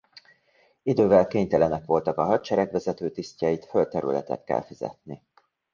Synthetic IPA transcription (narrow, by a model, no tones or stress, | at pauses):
id̪øːvɛlkeːɲt̪ɛlɛnɛkʋo̞lt̪ɒkɒɦɒt̪t͡ʃɛɾɛɡʋɛzɛt̪øːt̪iscɑjit̪fø̞lt̪ɛɾy̰lɛ̰t̪ɛ̰t̪kɛ̰lfizɛ̰t̪ni